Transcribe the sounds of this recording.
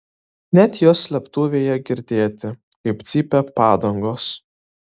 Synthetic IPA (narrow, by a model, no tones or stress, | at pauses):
nʲæt̪ʲjoːslʲɛpt̪uːʋʲeːjɛɡʲɪɾʲd̪ʲeːt̪ʲɪ | kɐɪpt̪sʲiːpʲɛpɑːd̪ɐŋɡoːs